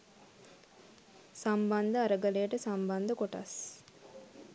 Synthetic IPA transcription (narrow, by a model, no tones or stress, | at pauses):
samband̪əaɾəɡəlejəʈəsamband̪əkoʈa̰s